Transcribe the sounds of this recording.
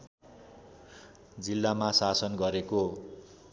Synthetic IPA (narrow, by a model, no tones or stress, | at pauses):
d͡zilːamasasʌnɡʌɾeko